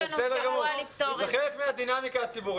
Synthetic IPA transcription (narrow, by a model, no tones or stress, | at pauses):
sedeɡavulift̪oeχelekmead̪inamikaat͡sibu